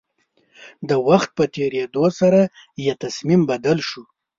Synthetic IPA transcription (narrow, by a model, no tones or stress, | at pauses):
d̪əwaxt̪̚pət̪eɾed̪osaɾa | jat̪asmimbad̪alʃu